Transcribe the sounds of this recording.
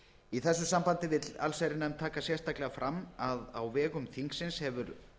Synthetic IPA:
iθɛsːʏsampant̪ɪvɪa̰lsajɾɪnamt̪ʰaːkasjɛr̥st̪aklɛɣafɾamːaða̰wvɛːɣʏmθiŋksɪnshɛvʏɾ

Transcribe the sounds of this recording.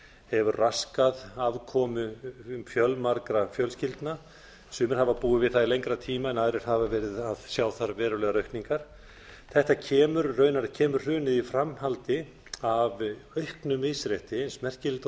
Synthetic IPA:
hɛvʏɾraskaðaðkʰɔːmʏmfjœlmaɾkɾafjœlscɪlt̪na | sʏːmɪɾ̥havapuːvɪvɪðθaðilejŋkɾat̪ʰiːmaɛnaːðɾɪɾ̥havavɛːɾɪðaðsjaːwθaɾvɛːɾʏlɛɣaɾœɥhk̪niŋkaɾ̥ | θɛht̪acʰɛːmʏɾœːɥnaɾcʰɛːmʏɾr̥ʏːnɪðifɾamhalt̪ɪ | avœɥhknʏmɪsɾɛht̪ɪensmɛr̥cɪlt̪

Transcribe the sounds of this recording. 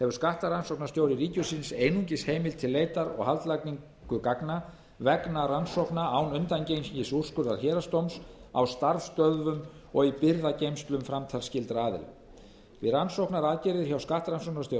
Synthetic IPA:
hɛvʏɾ̥skaht̪aɾansowknast̪joːwɾɪɾiːcʏsinseːjnuɲcɪsheːjmɪlt̪ʰɪlːeːjt̪aɾɔ̰ɣhalt̪lakniŋ | kʏkakna | vɛknaɾansɔwhknaaːwnʏnt̪ancejnsiɲcɪsur̥skʏɾðaɾ̥çɛːɾast̪owmsa̰wst̪aɾfst̪œðvʏmɔɣipɪɾðacejmst̪lʏmfɾamt̪ʰal̥scɪlt̪ɾaːðɪ̰l | vɪransowhknaɾaːðcɪɾɪðɪɾçawskaht̪aɾansɔwknast̪jo

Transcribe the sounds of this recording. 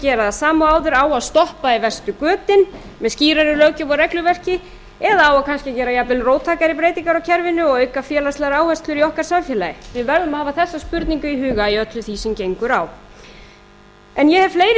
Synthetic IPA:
cɛːɾaðasaːmaaːwðʏɾaːwaðst̪ɔhpaivɛr̥st̪ʏkœːt̪ɪn | mɛðsciːɾaɾʏlœːɥcʏvɔrɛklʏvɛr̥cɪ | ɛðaaːwakʰanscɪacɛːɾajapɪlroːwt̪ʰaːkaɾɪpɾeːjt̪iŋkaɾawcʰɛɾvɪnʏɔɣœːɥkafjɛːlast̪laɾaːwhɛst̪lʏɾiɔhkaɾ̥samfjɛlajɪvɪvɛɾðʏmahaːvaθɛsːaspʏɾt̪niŋkʏiɦʏːɣaiœt̪lʏθisɛmcejŋkʏɾaːw | ɛnjɛhɛvfleːjɾɪ

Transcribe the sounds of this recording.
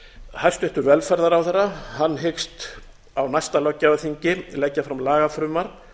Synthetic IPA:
hajst̪ʏht̪ʏɾvɛlfɛɾðaɾawθɛrːahanːɦɪkst̪ | awnajst̪alɔcːaaθiɲcɪlɛjcːafɾamlaːɣafɾʏːmaɾ̥

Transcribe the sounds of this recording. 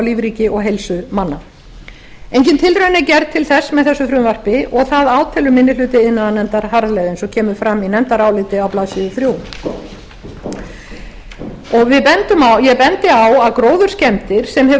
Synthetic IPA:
wliːvɾiːcɪʔɔɣɦejlsʏmanːa | ejɲcɪnt̪ʰɪlrɾœnɪcɛɾðt̪ʰɪlθɛsːmɛðθɛsːʏθɾʏmvar̥pɪɔɣθaðaːwt̪ʰɛːlʏmɪnːɪlʏːt̪ɪɪnːaðanɛnt̪aɾ̥ɦaɾalɛɣðɛnsɔcʰɛːmʏɾfɾamːinɛnt̪aɾaːwlɪt̪ɪawplaːsɪðʏθɾjuːw | ɔɣvɪðpɛnt̪ʏmawjɛpɛnt̪ɪawaðkɾoːwðʏɾ̥scɛmt̪ɪɾ̥sɛmhɛ

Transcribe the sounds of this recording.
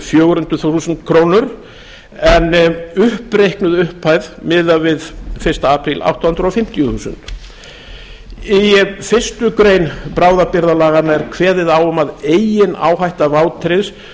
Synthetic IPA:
fjoːwɣɾʏnt̪ʏθvuθusʏnt̪kʰɾoːwnʏɾ̥ | ɛnʏhpɾejhknʏðʏhpʰajðmɪːðavɪðfɪ̥st̪aaːpɾilʔa̰wht̪ːhnd̪ɾɔfɪm̥t̪ɪjʏθuːsʏ̰nt̪ | ifɪ̥st̪ʏkɾeːjnpɾaːwðapɪɾðalaːɣanaɛɾ̥kʰvɛːðɪðaːwʏmaðeːjɪna̰ːwɦajht̪avaːwt̪ʰɾɪns

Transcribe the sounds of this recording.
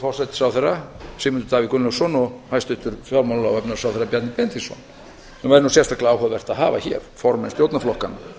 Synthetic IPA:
fɔr̥sajt̪sawθɛrasɪmʏnt̪ʏt̪aːvikʏnlʏsɔnɔhajst̪ʏht̪ʏɾfjɔɾmanlawɛpnaɾsaːwθɛɾːapjat̪nɪpjɛnt̪isɔ̰n | ɛnvajɾnusɛst̪akʰlaːwhɔðvɛr̥t̪aðɦaːva̰çɛ̰ɾ̥fɔɾmɛnst̪jowt̪naflɔhkana

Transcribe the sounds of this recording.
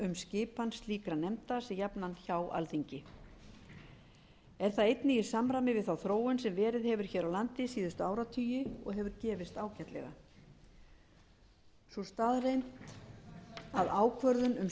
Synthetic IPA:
ʏmscɪːpansliːkɾanɛmt̪asɛjapnançaːwa̰lθiɲcɪ | ɛɾ̥θaðejt̪nɪi̥samɾamɪvɪðθawθɾoːwʏnsɛmvɛːɾɪðhɛvʏɾ̥çɛːɾawlant̪ɪsiːðʏst̪ʏaːwɾat̪ʰyːjɪɔ̰ɣɦɛvʏɾcɛːvɪst̪aːwcaht̪lɛ̰ɣa̰ | sɔst̪aːðrejnt̪ | aðaːwkʰvœɾðʏnʏm

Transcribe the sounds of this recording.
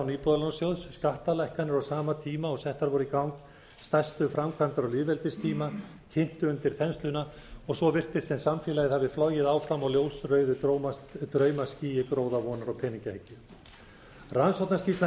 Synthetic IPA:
wniːpɔðalonsjowðsskaht̪alajhkanɪɾɔwsaːmat̪ʰiːmaɔɣsɛht̪aɾvɔɾʏikawŋk | st̪ajst̪ʏfɾamkʰvant̪aɾɔliðvɛlt̪ɪst̪ʰiːma | cʰɪn̥t̪ʏʏnt̪ɪɾ̥θɛnst̪lʏna | ɔɣsɔvɪr̥t̪ɪst̪sɛmsamfɛːlajɪðhavɪflɔɣjɪðaːwfɾamawljoːwsrœɥðʏ | t̪ɾœɥmasciːjɪkɾoːwðavɔnaɾɔpʰɛːniŋcahɛcːɪ | ransowt̪nascist̪a

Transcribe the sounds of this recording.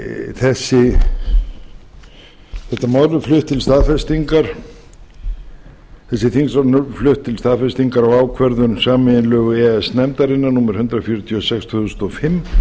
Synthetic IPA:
θɛsːɪ | θɛht̪amaːwɾʏflʏht̪ʰːɪlst̪aːðfɛst̪iŋkaɾ̥ | θɛsːɪθiŋsɾanʏflʏht̪ʰːɪlst̪aːðfɛst̪iŋkaɾawaːwkʰvɛɾðʏnsaːmɪɪnlœːɣʏɛɛsnɛmt̪aɾɪnːanuːmɛɾ̥hʏnt̪ɾafjɔːɾʏt̪ʰiɔsɛksθʏðʏst̪ɔɣfɪmː

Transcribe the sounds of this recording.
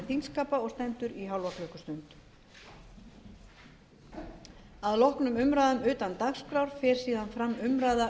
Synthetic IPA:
θinskaːpaɔɣst̪ɛmt̪ʏɾiɦawlvɔhklœhkʏst̪ʏnt̪ | aðlɔhknʏmʏmɾajðʏmʏːt̪ant̪axskɾawɾ̥fɪɾ̥siːðanfɾamːʏmɾajða

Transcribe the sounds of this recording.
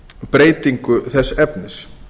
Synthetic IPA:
pɾeːjt̪iŋkʏθɛsːɛpnɪs

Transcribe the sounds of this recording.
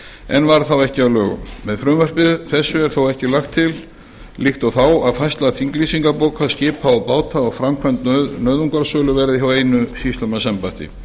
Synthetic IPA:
ɛnvaɾ̥θawɛhcɪavlœːɣʏ̰mːɛðfɾʏːmvœr̥pɪðʏθɛsːʏɛɾ̥θowɛhcɪlaxt̪ʰːɪl | lixt̪ɔθawaðfajst̪laðθiŋklisiŋkapoːwkʰaðscɪːpaɔpaːwt̪aɔɣfɾamkʰvɛnt̪nœɥðuŋkaɾsœːlʏvɛːɾɪðiɦawejnʏsist̪œmasɛmpaht̪ɪ̰

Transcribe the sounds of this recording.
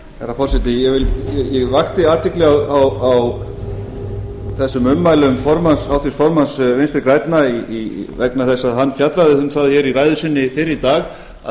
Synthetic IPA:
ɛɾafɔrsɛt̪ɪjɛvɪljɛjɛɣvaxt̪ɪaːt̪vɪklɪɣaawaw | θɛsːʏmʏmːajlʏmfɔɾmansawt̪ʰisfɔɾmansvenst̪ɾɪkɾaːjt̪naiivɛknaθɛsːaðɦanːfjat̪laðɪhʏmθaðçɛɾiɾaːjðʏsɪnːɪfɪɾɪit̪aːɣ | a̰

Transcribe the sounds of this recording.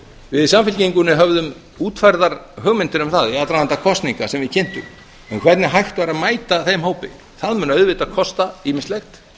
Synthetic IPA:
vɪðsamfɪlcejŋkʏnːɪɦœvðʏm | uːt̪fajɾðaɾɦœːɣmɪnt̪ɪɾʏmθaðɛat̪ɾanant̪akʰɔst̪niŋkasɛmvɪðcʰɛn̥t̪ʏ̰m | ɛnkʰvɛɾt̪nɪɦajxt̪vaɾaðmaːjt̪aθejmɦoːwpɪ̰ | θaðmʏːnaœɥðvɪt̪aðkʰɔst̪aiːmɪnst̪lɛxt̪

